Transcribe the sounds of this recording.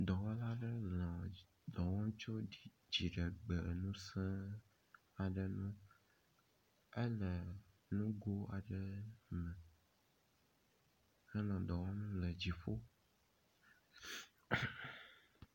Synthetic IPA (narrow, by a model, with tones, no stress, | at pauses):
d̪ɔ˨wɔ˦la˦ɖə˦lã˨ | d̪ɔ˨wɔ̃˦t͡ʃo˦i˨ | d͡ʑi˨ɖə˨ɡ͡bə˨nũ˦sɛ̃˦ | a˨ɖə˨nũ˦ | e˦lə˨ | nũ˦ɡo˦a˨ɖə˨mɛ̃˨ | hɛ˦lã˨d̪ɔ̃˨wɔ˦nũ˦lə˨d͡ʑi˨ɸo˦